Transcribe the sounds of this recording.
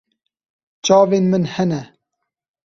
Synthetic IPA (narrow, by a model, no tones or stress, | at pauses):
t͡ʃɑːveːnmɨnhɛnɛ